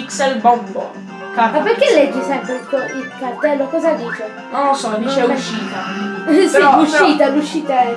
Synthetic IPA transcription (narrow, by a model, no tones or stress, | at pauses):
iksɛlbɔmbo̰ | kamaperkelːɛd͡ʒːisɛmpɾelkɔilkart̪ɛlːokɔzad̪iːt͡ʃɛ | nɔlosɔd̪it͡ʃɛʃiːt̪asiɔuʃiːt̪aluʃiːt̪aɛ